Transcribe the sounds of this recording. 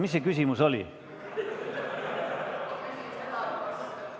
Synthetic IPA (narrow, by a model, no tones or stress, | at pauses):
misːekysimuso̞li